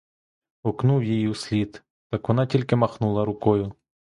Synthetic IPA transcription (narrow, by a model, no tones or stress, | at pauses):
ɔknuwjijiusʲlʲid̪ | t̪ɑkʋɔnɑtʲilʲkɪmɐxnulˠɐɾʊkɔjʊ